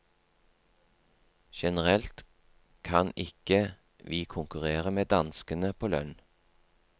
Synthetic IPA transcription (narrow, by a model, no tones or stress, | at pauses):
ʃɛnəʁɛlt̪ | kʰɑnɪkə | ʋiːkʰʊŋkʉʁeːʁəmeːd̪ɑnskənəpʰoːlœ̰n